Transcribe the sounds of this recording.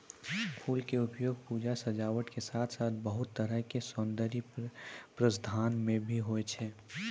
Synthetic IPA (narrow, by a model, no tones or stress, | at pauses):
pʰuːlkeʊpjoːɡ̚puːd͡ʒasəd͡ʒaːʋəʈkesaːt̪ʰsaːt̪̚ʰbəɦʊt̪ːəɾəɦkesɔ̃nd̪əɾi | pɾəsd̪ʱaːnmẽbʱiɦoet͡ʃʰɛː